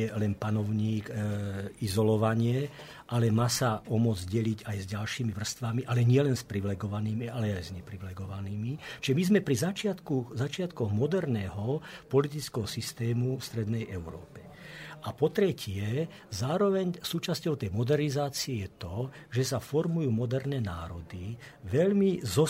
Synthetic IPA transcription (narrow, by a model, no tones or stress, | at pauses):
ɛlɛnpanɔʊɲiːk | izɔlɔʋaɲɪɛ | ʔalɛmaːsaʔɔmʊɔd͡zɟɛliɟajzɟalʃiːmiʋr̩st̪ʋamiʔalɛɲɪɛlɛnspɾiʋilɛɡɔʋaniːmialɛajzɲɛpɾiʋlɛɡɔʋaniːmit͡ʃiʒɛmizmɛpɾizat͡ʃɪat̪kuzat͡ʃɪat̪kɔɣmɔd̪ɛɾnɛɦɔpɔlit̪̬it͡skɛɦɔsist̪ɛːmufst̪ɾɛd̪nɛjʔɛʊɾɔ̰ːpɛ̥ | ʔapɔt̪ɾɛcɪɛ | zaːɾɔʋɛɲsuːt͡ʃascɔʊt̪ɛjmɔd̪ɛɾnizaːt͡siɛjɛt̪ɔʒɛsafɔɾmujuːmɔd̪ɛɾnɛna̰ːɾɔd̪iʋɛʎmizɔ